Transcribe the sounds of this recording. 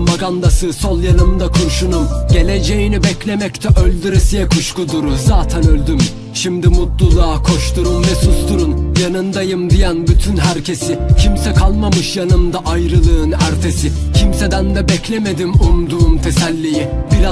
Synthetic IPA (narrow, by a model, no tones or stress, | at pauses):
maɡand̪asɯsolˠjanɯmd̪akʰuɾʃunumɟe̞lʲe̞d͡ʒejinibɛclʲe̞mɛct̪ʰɛʔølʲd̪yɾesijɛkʰuʃkud̪uɾuzaːt̪ʰænølʲd̪ym | ʃimd̪imut̪lˠulˠaːkʰo̞ʃt̪ʰuɾumvɛsust̪ʰuɾunjanɯnd̪ajɯmd̪ijanbyt̪ʰynɦæɾcʰe̞sicʰimsɛkʰalˠmamɯʃjanɯmd̪aʔajɾɯlˠɯːnæɾt̪ʰe̞sɪ | cʰimse̞d̪ænd̪ɛbɛclʲeme̞d̪imund̪uːmt̪ʰe̞sælʲːijibiɾa